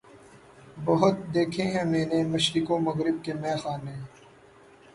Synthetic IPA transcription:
bɐɦʊt̪̚d̪eːkʰẽɦɛ̃mɛ̃ːnemɐʃɾɪkõmɐɣɾɪb̚kemɛːxaːnɦẽː

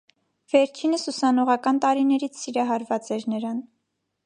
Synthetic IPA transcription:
v̥ɛɾt͡ʃʰinəsusɑnɔʁɑkɑnt̪ɑɾinɛɾit͡sʰsiɾɑɦɑɾvɑt͡sɛɾnəɾɑn

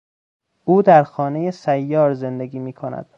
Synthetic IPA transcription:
ʔuːd̪æɾxɒːne̞jesæjːɒːɾze̞nd̪e̞ɡʲiːmiːkʰonæ̰d̪̥

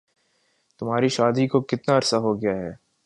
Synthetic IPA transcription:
t̪ʊmɦaːɾiʃaːd̪ikokɪt̪naɐɾsaɦoɡɐjaɦɛː

